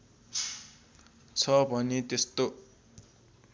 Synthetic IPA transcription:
t͡sʰʌbʱʌnet̪est̪o

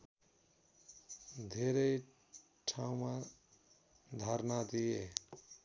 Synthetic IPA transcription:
d̪ʱeɾej | ʈʰãw̃mã | d̪ʱaɾnad̪ie

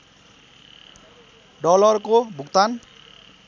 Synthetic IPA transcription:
ɖɔlʌrkobʱukt̪an

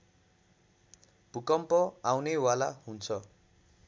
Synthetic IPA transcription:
b̥ukʌmpʌawnewalaɦunt͡sʰʌ

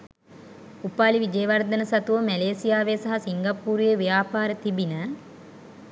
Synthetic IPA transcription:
upaːliʋid͡ʒeːʋɐrd̪ənəsɐt̪uʋəmæleːsijaːʋesaɦasiŋɡapːuːɾujeʋijaːpaːɾət̪ibinə

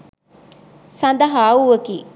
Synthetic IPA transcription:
sɐnd̪ɐɦaːuʋɐkiː

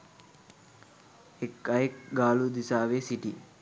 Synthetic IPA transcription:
ekːɐekɡaːlud̪isaːʋeːsiʈi

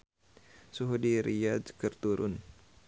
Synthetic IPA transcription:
suɦudiɾiad͡ʒkərt̪uɾʔʊn

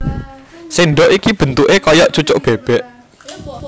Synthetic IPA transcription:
siɳɖɔʔikib̥ə̤nt̪uʔekɔjɔʔt͡ʃut͡ʃʊʔb̥eb̥ɛʔ

